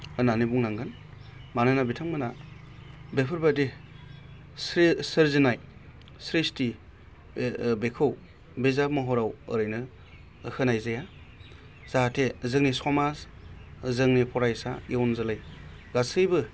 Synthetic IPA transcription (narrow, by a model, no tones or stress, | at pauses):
ɯnanibuŋnaŋɡɯn | manɯnabitʰaŋmɯna | bepʰɯɾbadi | ssɯɾzinaj | sɾisti | bekʰɯw | bezap̚maɦɔɾawɯɾɯjnɯ | hɯnajzaja | z̥atʰezɯŋnisɔmas | zɯŋnipʰɔɾajsa̰jewnzalajɡasɯjbɯ